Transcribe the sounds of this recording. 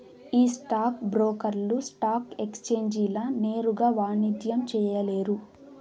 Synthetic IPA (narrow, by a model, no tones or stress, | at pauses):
iːsʈaːk̚bɾoːkɐɾlusʈaːke̞kst͡ʃeːɲd͡ʒilɐne̞ːɾuɡaːʋaːnid̪jɐmt͡ʃɛːjɐleːɾu